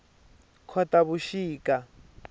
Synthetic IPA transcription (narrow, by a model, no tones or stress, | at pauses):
kʰɔtaβuʃiːkʼa